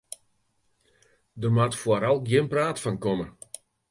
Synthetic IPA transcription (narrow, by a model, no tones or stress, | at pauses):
dərmatfoɾalˠɡjɪnpraːtfankɔmə